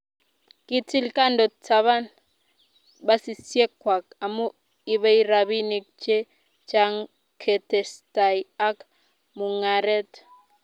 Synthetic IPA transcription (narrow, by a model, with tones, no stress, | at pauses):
ki˦ti˦lka˦ndo˨t͡sa˨βa˦n | ba˦si˨sje˦kːwa˨ka˨mu˦ | i˦βe˦i˦ɾa˨βi˦ni˨k̚t͡ʃe˦ | t͡ʃa˦ŋ | kʰe˨tɛ˨sta˨ja˦k | mu˨ŋa˨ɾɛ˦t